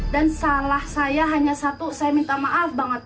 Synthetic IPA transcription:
dansalahsajaɦaɲasat̪usajamint̪amaʔafbaŋət̪̚

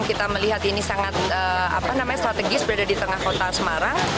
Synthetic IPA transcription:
ŋkit̪aməliɦat̪inisaŋat̪̚əa̰panamaɲast̪ɾat̪eɡɪsbəɾadadit̪əŋahkot̪asəmaɾaŋ

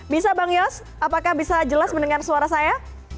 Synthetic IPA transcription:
bisabaŋjɔs | apakahbisad͡ʒəlasməndəŋarsuaɾasaja

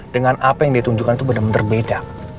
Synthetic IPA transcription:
d̥əŋanapajaŋdiat̪uɲd͡ʒukanit̪ubədamənt̪ərbeda

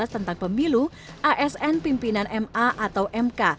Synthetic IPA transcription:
ast̪ənt̪aŋpəmilu | ʔaʔɛsɛnpimpinanʔɛmaʔat̪awʔɛmka

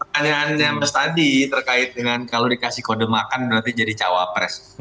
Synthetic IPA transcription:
pəanaːnɲaməst̪adit̪ərkaɪt̪̚dəŋankalodikasɪhkodəmakanbənat̪id͡ʒadit͡ʃa̰wa̰pɾɛ̰s

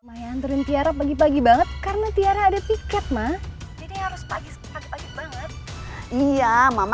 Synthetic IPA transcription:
majaant̪uɾɪnt̪iaɾapaɡip̬aɡibaŋət̪̚kaɾənat̪iaɾaːdapikɛt̪̚mahd͡ʒadihaɾʊspaɡispaɡipaɡibaŋət̪̚ijamam

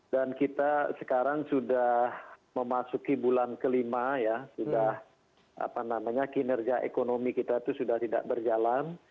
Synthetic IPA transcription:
dankit̪asə̥kaɾaŋsudahməmasukibulankəlimajasudah | ʔa̰panamaɲakinərɡaʔḛkonomikit̪at̪usudaht̪ida̰ʔbərd͡ʒalan

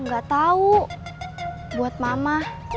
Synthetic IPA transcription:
ŋɡat̪au | buat̪̚mamah

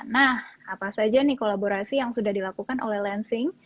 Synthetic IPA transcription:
nahapasad͡ʒanikolaboɾasijaŋsudahdilakukanʔo̰lɛhlɛnsɪŋ

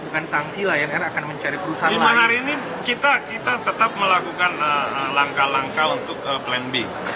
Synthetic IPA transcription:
bukansaŋsilahjaŋanakanməɲt͡ʃaɾipəɾusaɦadimaɦaɾiːni | kit̪akit̪at̪ət̪ap̚məlakukanəəlaŋkalaŋkaunt̪ʊk̚əplɛnbi

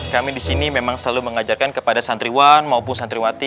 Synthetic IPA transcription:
kamidisinimemaŋsəlaluməŋad͡ʒarkankəpadasant̪ɾiwanmaupʊnsant̪ɾiwat̪i

